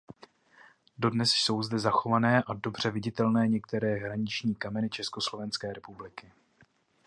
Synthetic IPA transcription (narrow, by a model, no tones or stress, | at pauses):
do̞dnɛsso̞wzdɛzaxo̞vanɛːʔado̞br̝̥ɛvɪɟɪt̪ɛlnɛːɲɛk̚t̪ɛɾɛːɦɾaɲɪt͡ʃɲiːkamɛnɪt͡ʃɛsko̞slo̞vɛnskɛːɾɛpublɪkɪ